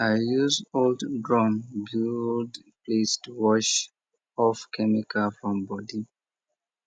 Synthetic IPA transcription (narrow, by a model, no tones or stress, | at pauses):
aɪjuzolddɹɔ̃mbuld | plistwɔʃ | ɔfkʰɛmikʰafɹɔ̃mbɔdi